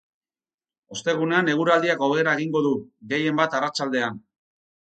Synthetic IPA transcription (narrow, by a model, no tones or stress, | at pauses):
o̞st̪e̞ɣ̞une̞ane̞ɣ̞uɾald̪iako̞βeɾaeɣiŋɡo̞ðuɣe̞je̞mbat̪arat͡ʃald̪e̞an